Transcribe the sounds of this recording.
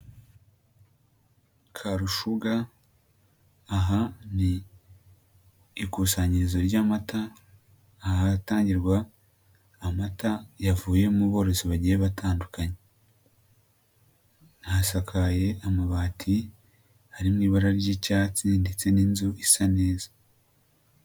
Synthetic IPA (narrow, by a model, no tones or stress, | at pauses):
kʰaɾuʃuɡa | ɦani | kusaɲiɾizo̞ɾɟaːmataː | hataːɲɟiɾɡwaː | matajavuːje̞muβo̞ːɾe̞siβaɟijeβatʰaːndukʰaɲe | nhasakʰaje̞amaβaːtʰi | haɾimŋiːβaɾaɾɟicaːt͡sinde̞t͡se̞ninzuisane̞ːza